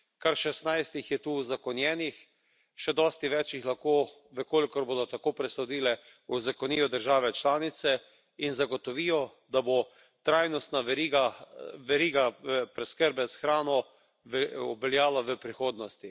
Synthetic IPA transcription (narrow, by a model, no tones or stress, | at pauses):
kaɾʃɛst̪najst̪ixjɛt̪uːwzakɔnjɛːnix | ʃɛd̪ɔːst̪iʋɛːt͡ʃjixlaxkoː | ʋəkoːlikɔɾboːd̪ɔt̪akoːpɾɛsɔd̪iːlɛ | uzakɔniːjɔd̪əɾʒaːʋɛt͡ʃlaːnit̪sɛ | inzaɡot̪ɔʋiːjɔ | d̪abo | t̪ɾajnɔst̪naɛɾiɡaʋɛɾiːɡaəpɾɛskəɾbɛsxɾaːnɔ | ɔbɛljaːlaʋəpɾixoːd̪nɔst̪i